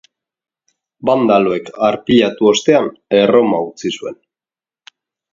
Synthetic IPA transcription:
band̪alo̞e̞kaɾpiʎat̪uo̞st̪e̞anero̞maut͡sisue̞n

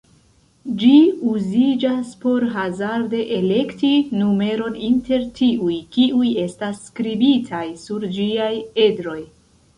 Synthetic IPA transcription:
d͡ʒiuzid͡ʒaspo̞ɾɦazaɾde̞ʔele̞ktinume̞ɾo̞ninte̞ɾtiujkiuje̞stasːkɾibitʰajsuɾd͡ʒiaje̞dɾo̞j

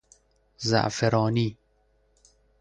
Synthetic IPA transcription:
za̰ʔfeɾɔːni

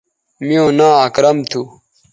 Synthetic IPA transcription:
mijõːnãːaːkɾɐmt̪ʰuː

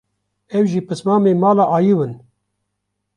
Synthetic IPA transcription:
ɛwʒiːpɨsmɑːmeːmɑːlaːʔaːjiwɨn

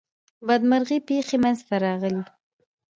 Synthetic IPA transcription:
bad̪maɾɣipexemanzt̪aɾɑɣəli

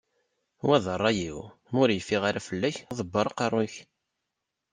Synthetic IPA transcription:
wæðərˤːɑjiw | mʊɾjəfːiʁaɾæfəlːæçðˤəbːəɾˤqɑrˤːʊç

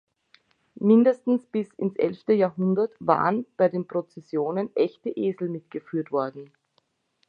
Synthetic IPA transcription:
mɪndəstn̩sb̥ɪsɪnsʔɛ̰lftəjaːɐɦʊndɐtva̰ːʁənb̥aɪdeːnpʁ̥ot͡sɛsjoːnənʔɛçtəʔeːzl̩mɪtɡ̥əfyːɐtv̥ɔɐdn̩

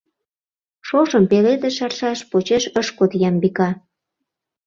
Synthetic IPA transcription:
ʃoʃəmpeled̪eʃɑrʃɑʃpot͡ɕeʃəʃkot̪jɑmbikɑ

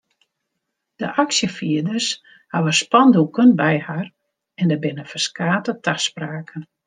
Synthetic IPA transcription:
d̥əʔaksjəfiədərs | haʋəspɔndulˠkənbɛjhar | ɛndəbɪnəfərskaːtətʰaxspraːkʰən

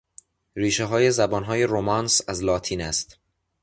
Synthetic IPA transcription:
riːʃeɦɒːje̞zæbɒːnɦɒːje̞ɾomɒːnsæzlɒːt̪ʰiːnæst̪

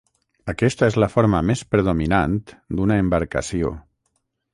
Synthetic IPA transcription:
əkɛst̪əezləfoɾməmespɾeðuminant̪d̪unaembəɾkə̰sio̰

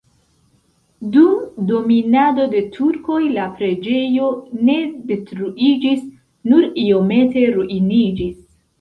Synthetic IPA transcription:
dumdo̞minado̞de̞tʰuɾko̞jlapɾe̞d͡ʒe̞jo̞ne̞de̞tɾuʔid͡ʒis | nuɾio̞me̞te̞ɾuʔinid͡ʒis

